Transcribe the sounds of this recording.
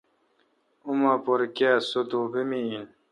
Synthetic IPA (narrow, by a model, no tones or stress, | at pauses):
umapoɾkesot̪obemin